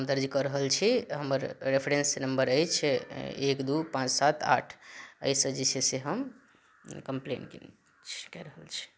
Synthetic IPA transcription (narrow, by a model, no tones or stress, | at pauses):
ɦəmd̪əɾd͡ʒikəɾəɦəlt͡ʃʰiɦəməɾɾepʰɾensinəmbəɾəjt͡ʃʰekd̪upãt͡ʃsat̪ʰa̰ʈʰə̰jsəd͡ʒeseseɦəm | kəmplḛnk | kɛɾəɦəlt͡ʃʰi̥